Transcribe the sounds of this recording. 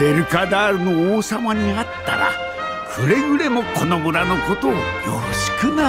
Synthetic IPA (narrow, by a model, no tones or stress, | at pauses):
e̞ɾɯ̟kad̪aːɾɯ̟no̞oːsamaɲ̟iat̪ːa̰ɾa̰ | ɸɯɾe̞jɯɾe̞mo̞kʰo̞no̞mɯ̟ɾano̞ko̞t̪o̞ːjo̰ːɕi̥kɯna